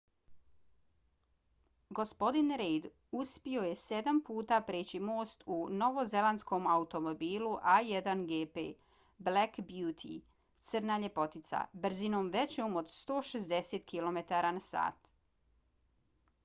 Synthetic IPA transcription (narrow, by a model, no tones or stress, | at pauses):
ɡo̞spo̞d̪inɾejd̪ | uspio̞je̞se̞d̪ampuːt̪apɾeːt͡ɕimo̞ːst̪uno̞ʋo̞ze̞lˠansko̞maut̪o̞mobiːlˠuʔajed̪anɡeːpeː | blakbjuːt̪ʰḭ | t̪sɨr̩naːʎe̞po̞t̪it̪sa̰br̩zino̞ːmʋe̞t͡ɕomo̞d̪st̪o̞ːʃezd̪e̞seːt̪kilo̞me̞t̪aɾaːnasa̰ːt̪